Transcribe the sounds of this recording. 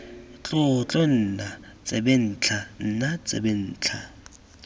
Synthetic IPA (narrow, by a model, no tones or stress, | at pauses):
t͡ɬʼʊt͡ɬʼɔn̩ːnat͡sʼɛben̩ːt͡ɬʰan̩nat͡sʼɛ̰bɛn̩ːt͡ɬʰa̰